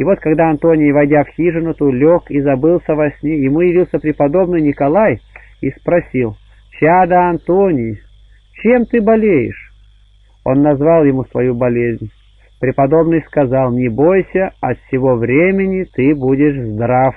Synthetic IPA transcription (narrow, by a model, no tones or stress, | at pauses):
ivo̞t̪kɐɡd̪aɐnt̪onʲɪjvɐjdʲafxʲiʐɨnʊt̪ulʲokizɐbɨlˠsʲəvɐsʲnʲejɪmujɪvʲilˠsʲəpɾʲɪpɐd̪o̞bnɨjnʲɪkɐlˠaj | ispɾɐsʲilˠ | t͡ɕad̪əɐnt̪onʲɪj | t͡ɕemt̪ɨbɐlʲejɪ̰ʂ | o̞̰nːɐzvalˠjɪmusvɐjubɐlʲezʲnʲ | pɾʲɪpɐd̪o̞bnɨjskɐzalˠnʲɪbojsʲəɐt̪sʲɪvo̞vɾʲemʲɪnʲɪt̪ɨbudʲɪʂzd̪ɾaf